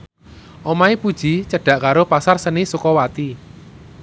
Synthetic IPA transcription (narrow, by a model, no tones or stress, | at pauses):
ʔɔmaipud̥ʒ̥i̤t͡ʃəɖ̥a̤ʔkaɾopasarsənisukɔwat̪i